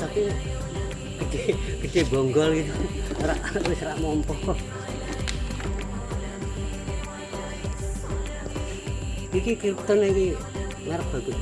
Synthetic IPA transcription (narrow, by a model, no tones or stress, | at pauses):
t̪api | kəd̥ekəd͡ʒ̥eboŋɡɔlɡit̪uɾaʔwɪsɾaʔmɔmpɔhkɔ | ikikit̪əniki | mɛɾəp̚b̥aɡu